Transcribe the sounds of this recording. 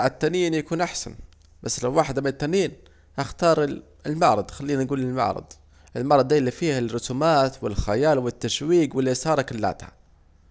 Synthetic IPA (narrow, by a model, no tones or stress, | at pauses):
ʕat̪ːaniːnjakuːnʔaħsa̰n | basːlawːaːħɪd̪mɪnɪt̪ːaniːn | haxt̪ɑːɾˤ | lmɑʕɾˤɑd̪ˤxalːiːnanɡuːlɪlma̰ʕɾˤɑ̰d̪ˤ | ʔɪlmɑʕɾˤɑd̪ˤaːlːifiːharːʊt̪umaːt̪wɪlxajaːlwɪt̪ːaʃwiːkwɪlːʔɪsɑːɾˤɑkɪlːa̰ːt̪ha̰